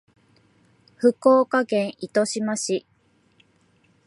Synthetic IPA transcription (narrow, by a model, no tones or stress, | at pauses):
ɸɯ̟koːkaɡẽ̞ɰ̃ʔit̪o̞ɕimaɕi